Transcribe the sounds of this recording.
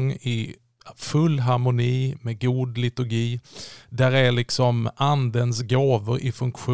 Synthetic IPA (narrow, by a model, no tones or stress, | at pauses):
ŋːɪ | fɵlːɦaɾmʊniːmɛɡuːd̪lɪt̪ɵɾɡiːd̪æɾæɭɪksɔmʔand̪ənsɡoːvəɾʔɪfɵŋkɧu